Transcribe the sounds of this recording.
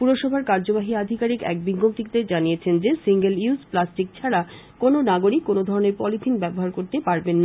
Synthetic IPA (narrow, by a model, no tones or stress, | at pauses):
puɾoʃɔbʱaɾkaɾd͡ʑobaɦiad̪ʱikaɾikɛ̰k̚biɡomt̪ikt̪ed͡ʑanijet͡ɕʰend͡ʑesiŋɡeliusplasʈik̚t͡ɕʰaɾa | kononaɡoɾikːonod̪ʱɔɾoneɾpɔlit̪ʰinbɛboɦaɾkoɾt̪epaɾbenːa